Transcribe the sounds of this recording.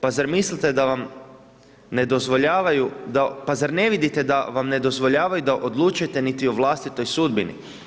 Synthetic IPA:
pazaɾmislit̪e̞d̪aʋam | ne̞d̪o̞zʋo̞ʎaːʋajud̪apazaɾne̞ʋid̪it̪e̞d̪aʋamne̞d̪o̞zʋo̞ʎaːʋajud̪aʔo̞d̪luːt͡ʃujet̪e̞nit̪ioʋlˠast̪it̪o̞jsud̪binḭ

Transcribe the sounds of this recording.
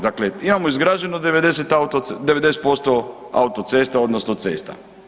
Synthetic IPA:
d̪akleimamoizɡɾaːd͡ʒenod̪eʋed̪e̞set̪aut̪od̪eʋed̪e̞set̪̚po̞st̪o | a̰ut̪ot̪se̞st̪ao̞d̪nosnot̪sḛːst̪a̰

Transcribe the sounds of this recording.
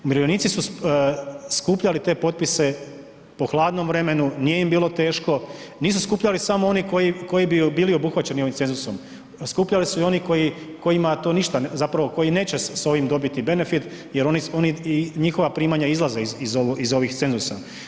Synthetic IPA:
miɾojoniːt̪sisu | skuːpʎalit̪e̞ːpo̞t̪̚pise̞ | po̞xlˠaːd̪no̞mʋɾe̞me̞nunije̞imbiːlˠo̞t̪e̞ːʃko̞niːsuskuːpʎalisamoo̞niko̞jiko̞jibibiːlio̞buxʋat͡ɕe̞nio̞ʋimt̪se̞nzuso̞m | skuːpʎalisuio̞niko̞jiko̞jimat̪oːniʃt̪azapɾaʋoko̞jine̞ːt͡ɕeso̞ʋimd̪o̞bit̪ibe̞ne̞fit̪ | je̞ɾo̞nio̞niɲixo̞ʋapɾiːmaɲaizlˠazeizizoʋizo̞ʋixt̪se̞nzusa

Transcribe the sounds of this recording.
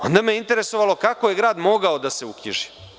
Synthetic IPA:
o̞̰nd̪ameeint̪eɾesoʋalo̞kako̞je̞ɡɾaːd̪mo̞ɡaod̪ase̞ukiʒi̥

